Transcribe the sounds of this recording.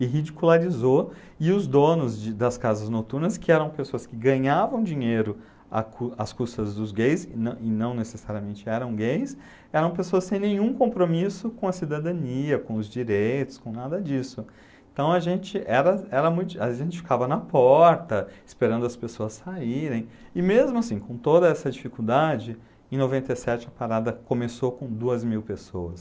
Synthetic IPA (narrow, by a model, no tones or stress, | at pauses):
ɪɦid͡ʒikulaɾizo | ɪʊzd̪õnʊzd͡ʒɪd̪ɐskazɐznot̪uɾnɐskɪɛɾɐ̃w̃pesoɐskɪɡɐ̃ɲavɐ̃w̃d͡ʒĩɲejɾʊ | ɐ̰kuɐskust̪ɐzd̪ʊzɡejsnɐ̃ʔɪnɐ̃w̃nesesaɾiɐmẽnt͡ʃɪɛɾɐ̃w̃ɡejs | ɛɾɐ̃w̃pesoɐssẽj̃nẽjɲ̃ũkõpɾomisʊkõɐsid̪ad̪ɐ̃niɐkõʊzd͡ʒiɾejt̪ʊ̥skõnad̪ɐd͡ʒisʊ | ẽnt̪ɐ̃w̃ɐʒẽnt͡ʃɪʔɛɾɐɛɾɐmũj̪̃ɐʒẽnt͡ʃɪ̥fi̥kavɐnɐpɔɾt̪ɐɪspeɾɐ̃nd̪ʊɐspesoɐsaiɾẽj̃ɪmezmʊasĩkõt̪od̪ɐɛsɐd͡ʒifikuwd̪ad͡ʒɪ | ẽj̃novẽnt̪ejsɛt͡ʃɪɐpaɾad̪ɐkõmesokõd̪uɐzmiwpesowɐs